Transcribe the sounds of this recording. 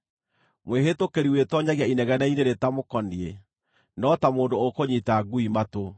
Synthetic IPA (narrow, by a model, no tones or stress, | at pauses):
mweɦetokeɾiwetɔɲaɣjainɛɣɛnaineɾetamokɔnie | nɔtamoːndookoɲitaɡuimato